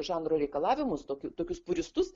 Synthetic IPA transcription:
ʒɑːnɾoːɾʲɛɪkɐlˠɑːʋʲɪmʊst̪oːkʲʊt̪oːkʲʊspʊɾʲɪst̪ʊs

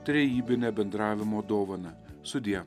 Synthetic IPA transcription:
t̪ʲɾʲɛjiːbʲɪnʲɛbʲɛnd̪ɾɑːʋʲɪmod̪oːʋɐnɐsʊd̪ʲiɛ

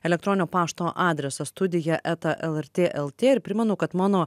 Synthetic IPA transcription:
ɛlʲɛk̚t̪ɾɔːnʲnʲoːpɑːʃt̪oːʔɑːd̪ʲɾʲɛsɐst̪ʊd̪ʲɪjɛʔɛt̪ɐʔɛlˠɛɾʲt̪ʲeːʔɛlˠt̪ʲeːɪɾpʲɾʲɪmʲɛnʊkɐt̪mɑːnoː

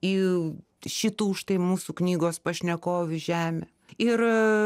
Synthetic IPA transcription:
iː | ʃʲɪt̪uːʃt̪ɐɪmuːsuknʲiːɡoːspɐʃʲnʲɛkoːʋʲɪʒʲæːmʲḛ | ɪr

